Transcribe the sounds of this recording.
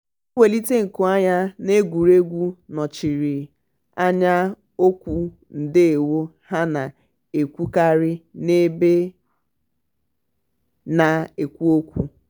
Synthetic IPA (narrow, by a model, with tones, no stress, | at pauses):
o˦we˨li˦te˦ŋ̩˨kʊ˨a˦ɲa˦ne˦ɡʷu˨ɾe˦ɡʷu˦nɔ˨t͡ʃi˨ɾi˨ | a˦ɲa˦ | o˦kʷu˨ | n̩˨dɪ˦e˨wo˦ | ha˦na˨ | e˨kʷu˦ka˦ɾɪ˦ne˦be˦ | na˨e˨kʷu˦o˦kʷu˨˦